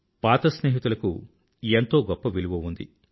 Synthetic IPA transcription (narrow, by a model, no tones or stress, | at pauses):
paːt̪ɐsneːɦit̪ulɐkṵ | ent̪o̞ːɡɔpːɐʋiluʋɐʋund̪ḭ